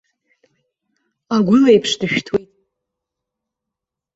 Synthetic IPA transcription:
aɡʷʊlajpʰʂdɨʃᶣtʰwejtʼ

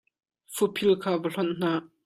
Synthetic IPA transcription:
fupʰilkʰaːvəɬɔnʔn̥aː

